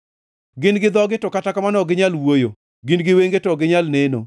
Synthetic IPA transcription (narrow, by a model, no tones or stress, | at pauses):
ɡɪnɡɪd̪ɔɡɪtʊkatakamanɔɡɪɲalwojo | ɡɪnɡɪweŋɡetɔɡɪɲalneno̰